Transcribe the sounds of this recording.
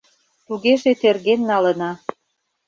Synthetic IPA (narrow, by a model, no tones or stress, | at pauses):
t̪uɣeʒet̪erɣenːɑlə̆nɑ